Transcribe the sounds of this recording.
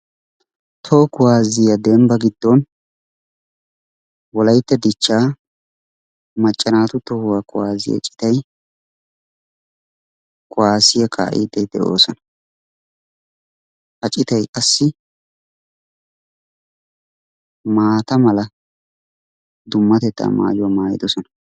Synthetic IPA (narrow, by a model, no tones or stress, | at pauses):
t̪ʰoːkʊwaːzɪjɐd̪ɛmbɐɡɪd̪ːɔn | wɔlɐjt̪ːɛd̪ɪt͡ʃːaː | mɐt͡ʃʼːɐnaːt̪ʊt̪ɔhʊwakʊwaːzɪ̰jɐ̰t͡ʃʼɪ̥t̪ɐj | kʼʊwaːsɪjɛkʰa̰ːʔḭd̪ɛjd̪ɛʔo̞ːsɔnɐ̥ | hɐt͡ʃʼɪt̪ɐjkʼɐsːɪ | maːt̪ɐmɐlɐ | d̪ʊmːɐt̪ɛt̪ːa̰ːma̰ːjʊwɐmaːjɪd̪ɔsɔnɐ